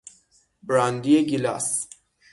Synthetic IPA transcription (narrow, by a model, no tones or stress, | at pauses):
bɾand̪ieɡilɑs